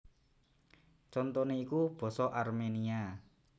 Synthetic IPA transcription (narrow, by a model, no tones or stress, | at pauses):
t͡ʃɔnt̪ɔneikub̥ɔ̤sɔʔarmenia